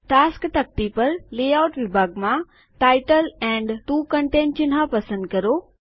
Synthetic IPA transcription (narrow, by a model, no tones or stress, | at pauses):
ʈaːskt̪ɐk̚t̪ipɐɾleːaːʊʈʋɪbʱaːɡmã | ʈaːɪʈəlɛ̃ːɳɖʈuːkɐ̃ɳʈẽːnt͡ɕɪnɦapɐsə̃nd̪̚kɐɾoː